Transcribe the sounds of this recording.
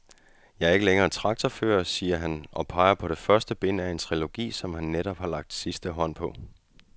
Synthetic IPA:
jɑ̈ɪæɐe̝ɡ̥əleŋɐːt͡sʰʁɑ̈ɡ̥̚t͡sʰɒfø̰ːɐsiːɐɦænʔɒ̽pʰɑ̈ɪɐpʰɒ̽ɾ̥e̝fɶɐsd̥əb̥e̝n̰æe̝nt͡sʰʁilo̝ɡ̥ḭːsɒ̽mhænːeɾ̥ɒb̥hɑ̈lɑ̈ɡ̥̚d̥sisd̥əɦɒ̽n̰pʰɒ̽

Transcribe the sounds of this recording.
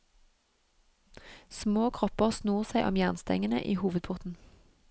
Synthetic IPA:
smoːkʰʁɔpəʁsnuːʁsæɪʔɔ̰mjæːʁnst̪ɛ̰ŋənə̰ʔiːhuːʋəd̪̚pʰʊʁt̪n̩

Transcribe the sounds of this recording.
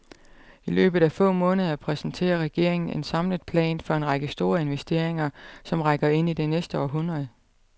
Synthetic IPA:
ilø̰ːb̥ð̩ˠæfɔ̰̽ːmɔ̽ːnəð̞ˠɐpʰʁɛsn̩t͡sʰe̝̰ːɐʁɛɡ̥e̝ɐ̰e̝ŋn̩e̝nsɑ̈mləð̩ˠpʰlɛ̰ːnfɒ̽e̝nʁɑ̈ɡ̥əsd̥o̝ːɐe̝nʋesd̥e̝̰ɐ̰eŋɐsɒ̽mʁɑɡ̥ɐe̝n̰id̥enesd̥əɒ̰ɦunʁɐð̞̩ˠ

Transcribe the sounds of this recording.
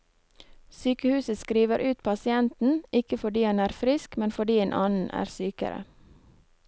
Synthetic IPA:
syːkəhʉːsəskɾiːʋəɾʔʉːt̪pʰɑsɪɛnt̪n̩ɪkəfɔɖiːɑnæːɾfɾɪskmɛnfɔɖiːeːnʔɑːnn̩ʔæ̰ːɾsyːkə̰ɾə̰

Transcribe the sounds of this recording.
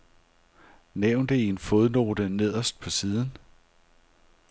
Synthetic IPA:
neʊ̰nd̥əienfo̝ðˠno̝̰ːd̥əne̝ð̞̰ˠɐsd̥̚pʰɒ̽siːðˠn̩

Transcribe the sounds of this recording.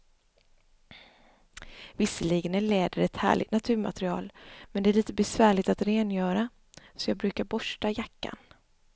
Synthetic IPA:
vɪsːəliɡənæɭeːd̪əɾɛt̪hæ̰ːɭɪ̰t̪nat̪ʰʉ̟ːɾma̰t̪ɾɪɑ̰ːlmɛnd̪ɛæɭiːt̪əbɛsvæːɭɪɡt̪at̪ɾeːnjœːɾa | sɔjɑːɡ̚bɾʉ̟ːkaɾbɔʂʈajakːa̰n

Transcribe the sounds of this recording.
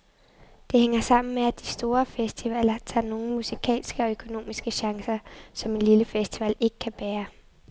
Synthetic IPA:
d̥e̝heŋ̰ɐsɑ̈m̰n̩meæd̥isd̥o̝ːɐfesd̥iʋɛl̰ɐt͡sʰɑ̰̈ːno̝ːn̩musikʰɛ̰ːlsɡ̥əɒ̽økʰo̝no̝̰ːmisɡ̥əɕɑ̈ŋsɐsɒ̽me̝nliləfesd̥iʋɛl̰e̝ɡ̥ə̥kʰæb̥æːɐ

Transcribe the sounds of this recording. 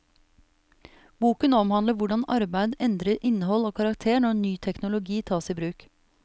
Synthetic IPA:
buːkənɔmhɑnd̪əʋʊɖɑnɑ̰ɾbæɪd̪ɛnd̪ɾəɾʔɪnəhɔloːkʰɑɾɑkt̪ʰeːɳɔnyːt̪ʰɛknʊlʊɡiːt̪ʰɑːsiːbɾʉːk

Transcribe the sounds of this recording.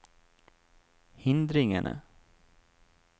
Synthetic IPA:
hɪnd̪ɾɪŋəɳə̰

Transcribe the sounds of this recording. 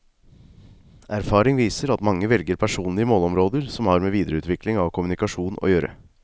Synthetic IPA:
ʔæɾfɑːɾɪŋʋiːsəɾɑt̪mɑŋːəʋɛlɡəɾpʰæʂuːnlɪəmoːlɔmɾoːd̪əɾsɔmhɑɾmeːʋiːd̪əɾəʉːt̪ʋɪklɪŋɑʋkʰʊmʉnɪkɑʂuːno̰ːjøːɾə̰

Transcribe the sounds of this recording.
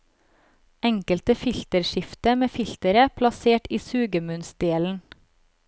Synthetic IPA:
ɛŋkəlt̪əfɪlt̪əɾʃɪft̪əmeːfɪlt̪əɾəpʰlɑseːʈiːsʉːɡəmʉnsd̪eːln̩

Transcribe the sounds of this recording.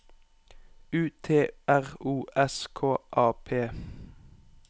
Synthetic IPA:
ʉːt̪ʰeːæʁuːʔɛskʰoːʔɑːpʰeː

